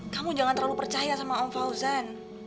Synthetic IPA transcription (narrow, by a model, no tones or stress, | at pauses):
kamud͡ʒaŋant̪ərlalupərt͡ʃajasamaɔŋfauzan